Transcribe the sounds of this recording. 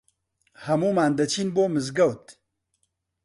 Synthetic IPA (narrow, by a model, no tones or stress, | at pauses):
hɐmumaːnd̪ɐt͡ʃinboːməzɡawt̪